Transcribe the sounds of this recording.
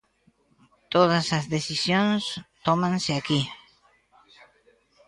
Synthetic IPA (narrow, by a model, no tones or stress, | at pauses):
t̪oð̞asazðeθisjõnst̪omãnsɪaki